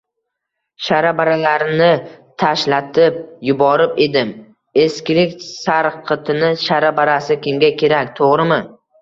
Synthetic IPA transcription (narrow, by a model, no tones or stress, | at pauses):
ʃaɾabaɾalaɾnɪt̪ʰaʃlat̪ʰɪp̚jʊbɒɾɪpe̞d̪ɪm | e̞skʲɪɾɪkʲsaɾqʰɨt̪ʰɪnɪʃaɾabaɾasɪkʲɪmɡʲakʲʰe̞ɾakʲt̪ʰoʁɾɪmɪ